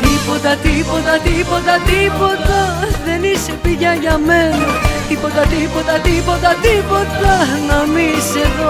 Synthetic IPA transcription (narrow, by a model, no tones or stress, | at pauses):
t̪ipo̞t̪ɐt̪ipo̞t̪ɐt̪ipo̞t̪ɐt̪ipo̞t̪ɐðe̞nise̞piʝɐʝɐme̞nɐt̪ipo̞t̪ɐt̪ipo̞t̪ɐt̪ipo̞t̪ɐt̪ipo̞t̪ɐnɐmise̞ðo